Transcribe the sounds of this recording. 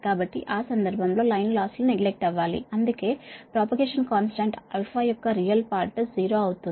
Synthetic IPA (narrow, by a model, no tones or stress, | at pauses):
kaːbɐʈːḭʔaːsɐnd̪ɐɾbʱɐmlo̞ːlɐjnlaːsluneɡlek̚ʈɐʋːaːlḭɐnd̪uke̞ːpɾaːpɐɡeːʂɐnkaːnsʈɐɳʈɐlpʰaːjɔkːɐɾijɐlpaːɾʈɐd͡ʒiːɾo̞ːɐwut̪un